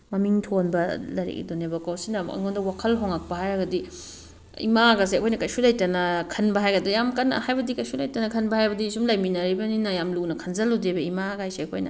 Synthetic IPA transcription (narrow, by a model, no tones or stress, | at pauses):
mɐmiŋtʰonbɐlɐɾḭkḭdonebɐkawsinɐɐ̰ŋondɐwakʰɐlɦoŋak̚pɐɦajɐɡɐdi | ḭmaɡas̬eɐkʰojnɐkɐjsulɐjtɐnɐkʰɐnbɐɦajɡɐdijamkɐnːɐ̰hajbɐdikɐjsulɐjtɐnɐkʰɐnbɐhajbɐdisumlɐjminɐɾibɐninɐjamlunɐkʰɐnzɐludebɐimakajseɐkʰo̰jnɐ̰